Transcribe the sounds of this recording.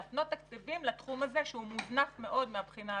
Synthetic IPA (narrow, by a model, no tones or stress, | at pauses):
at̪not̪ːakt͡sivimlat̪χumaze̞ʃeumuznafme̞ʔo̞d̪meabχina